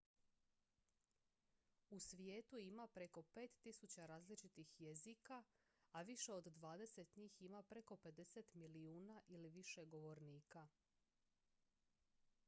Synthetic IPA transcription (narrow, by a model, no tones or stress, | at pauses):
usʋje̞ːt̪uimapɾe̞ko̞pe̞ːt̪ːisut͡ɕaɾaːzlit͡ʃit̪ixjezika | aʋiʃe̞o̞d̪d̪ʋaːd̪e̞se̞t̪ɲiːximapɾe̞ko̞pe̞d̪e̞set̪miliuːnaʔiliʋiʃe̞ɡo̞ʋo̞ɾniːka